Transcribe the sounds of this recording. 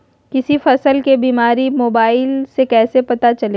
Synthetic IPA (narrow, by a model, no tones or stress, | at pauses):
kɪsifɐsəlkebiːmaːɾimoːbaːɪlsekɛːsepɐt̪at͡ʃɐleː